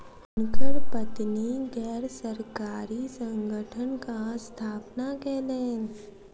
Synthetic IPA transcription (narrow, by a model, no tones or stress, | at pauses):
ʊnkəɾpət̪niɡɛːɾsəɾkaːɾisə̃ŋɡʱəʈʰənkast̪ʰaːpnakeːlẽː